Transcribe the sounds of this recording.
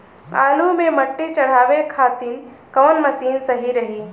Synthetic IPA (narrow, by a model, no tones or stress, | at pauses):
a̰ːlumẽmɐʈːit͡ʃɐɽ̤aːʋekʰaːt̪in | kɐʋnmɐsiːnsɐɦiɾɐɦiː